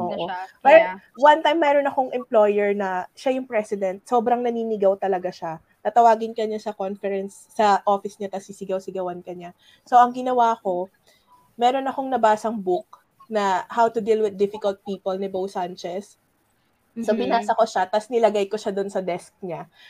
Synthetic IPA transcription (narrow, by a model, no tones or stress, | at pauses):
ʔoːʔopɛɾwant̪ajmːɛɾonɐko̞ŋʔɛmplo̞jɛɹnɐʃajʊŋpɹɛsɪd̪ɛnt̪̚so̞ːbɾɐŋnɐniːnɪɡɐwt̪ɐlɐɡaʃa | t̪ɐt̪ɐwaːɡɪnkɐɲasɐkonfɛɾɛnsːɐʔo̞fɪsɲat̪ɐsːisɪɡɐwsɪɡɐwɐnkɐɲa | so̞ʔɐŋɡɪnɐwako̞ | mɛːɾonɐko̞ŋnɐbaːsɐŋbʊk̚ | nɐhawt̪ʊd̪ilwɪd̪ːɪfɪkɐlt̪̚piːpolnɪbowsant͡ʃɛs | obɪnaːsɐko̞ʃat̪ɐsnɪlɐɡajkoʃad̪onsɐd̪ɛsk̚ɲa